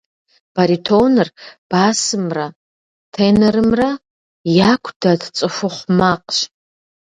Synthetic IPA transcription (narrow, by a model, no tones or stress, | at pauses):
b̥aɾitʰoːnɨrb̥aːsɨmrɐ | tʰeːnɐrɨmrɐ | jakʷʰd̥ɐdt͡sʼɨʂʷʊχʷmaːqɕ